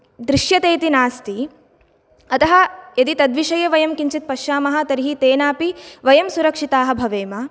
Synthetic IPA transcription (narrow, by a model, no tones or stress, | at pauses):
d̪ɾiʃjɐt̪eːt̪inaːst̪i | ɐt̪ɐɦɐ̆jɐd̪it̪ɐd̪ʋiʃɐjɐʋɐjɐmkiɲt͡ʃit̪̚pɐʃjaːmɐɦɐ̆t̪ɐɾiɦit̪eːnaːpiʋɐjɐmsuɾɐkʂit̪aːɦɐbʱɐʋeːmɐ